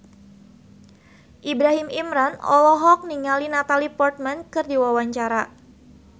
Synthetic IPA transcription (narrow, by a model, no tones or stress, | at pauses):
ʔibɾaɦimimɾanɔ̰lɔɦɔk̚niŋalinat̪alipɔrt̪̚mɛnkɨrdiwawaɲt͡ʃaɾa